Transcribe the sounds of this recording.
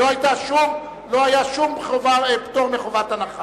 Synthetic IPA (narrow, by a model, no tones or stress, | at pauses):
oajt̪aʃum | lo̞ajaʃumeχovapt̪oʁmeχovat̪anaχa